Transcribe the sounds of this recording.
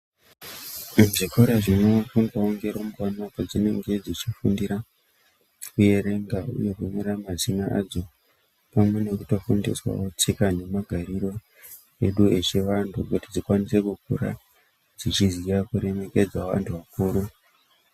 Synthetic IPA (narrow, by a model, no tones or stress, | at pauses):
mʐikʰoɾaʐino̞fundaoŋɡe̞ɾomukanokod͡zine̞ŋɡe̞d͡zit͡ʃifundiɾa | kuje̞ɾe̞ŋɡaṵje̞kumeɾamazinaʔa̰d͡zo̞ | pamwe̞ne̞kuto̞fundḭswa̰ot͡sikane̞maɡʱaɾiro̞ | e̞ɗue̞t͡ʃeʋantʰukutid͡zikwanise̞kuk̚uɾa̰ | d͡zit͡ʃizirakuɾe̞me̞ke̞d͡zwaʋa̰ntʰuʋakuːɾu